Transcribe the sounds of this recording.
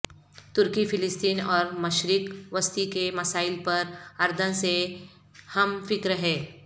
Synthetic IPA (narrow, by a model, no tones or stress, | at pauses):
t̪ʊɾkifʰɪlɪst̪iːnɔːɾmɐʃɾɪkʋəst̪ikemɐsaːɪlpɐɾɐɾd̪ʱənse | hɐmfɪkɾəɦẽː